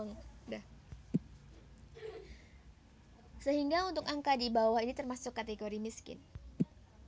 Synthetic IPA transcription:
ŋdah | səɦiŋɡaunt̪ʊkaŋkadibawahinit̪ərmasʊkːat̪eɡoɾimiskɪ̰n

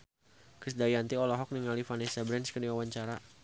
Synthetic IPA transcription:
kɾisdajant̪iɔlɔɦɔk̚niŋalifanɛsabɾɛnskədiwawaɲt͡ʃaɾa

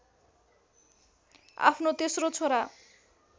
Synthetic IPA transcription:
a̰pʰnot̪esɾot͡sʰoɾa

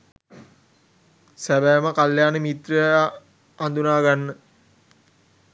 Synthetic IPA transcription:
sæbæːməkaljaːnəmit̪rə | and̪unaːɡanːə

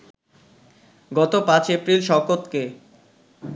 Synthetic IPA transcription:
ɡɔt̪opãt͡ɕepɾilʃɔkot̪ke

